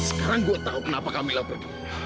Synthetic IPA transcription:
sə̥kaɾaŋɡuat̪aukənapakamilahpərki | a

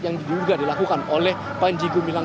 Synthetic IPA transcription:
jaŋdiduuɡadilakukanolɛh | paiɲd͡ʒiɡumila

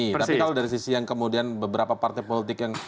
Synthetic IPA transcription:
itp̪aikaladaɾis̬isijaŋkəmudianbəbəɾapapart̪ajpolit̪ɪkjaŋ

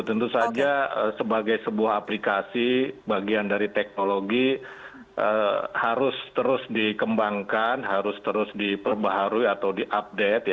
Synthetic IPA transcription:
t̪ənt̪usad͡ʒaəsəbaɡajsəbuahɦaplikasibaɡiandaɾit̪ɛk̚noloɡi | ʔəhaɾʊst̪əɾʊsdikəmbaŋkanɦaɾʊst̪əɾʊsdipərbaɦaɾuiat̪awdiʔap̚det̪̚j

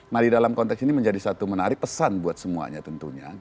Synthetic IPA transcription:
nahdidalamkɔnt̪ɛksiniməɲd͡ʒadisat̪umənaɾɪk̚pəsanbuat̪̚səmua̰ɲa̰t̪ənt̪uɲa̰

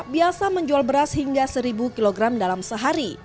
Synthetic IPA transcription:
biasaməɲd͡ʒualbəɾashiŋɡasəɾibukiloɡɾamdalamsəɦaɾi

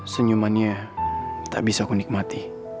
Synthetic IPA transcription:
səɲumanɲa | t̪a̰ʔbisakunik̚mat̪i

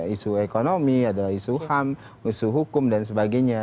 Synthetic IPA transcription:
isuekonomiadalaisuham | isuɦukʊmdansəbaɡaɲa

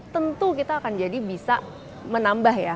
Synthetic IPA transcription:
t̪ənt̪ukit̪aːkand͡ʒadibisa | mənambahja

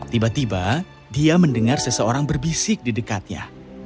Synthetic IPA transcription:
t̪ibat̪iba | diaməndəŋarsəsəoɾaŋbərbisɪk̚didəkat̪̚ja̰

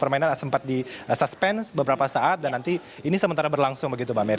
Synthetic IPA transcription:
pərmainansəmpat̪̚disaspɛnsbəbəɾapasaʔat̪̚danːant̪i | inisəmənt̪aɾabərlaŋsʊŋbəɡit̪ubameɾ

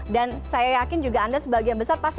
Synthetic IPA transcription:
dansajajakɪnd͡ʒuɡaandasəbaɡijanbəsarpas

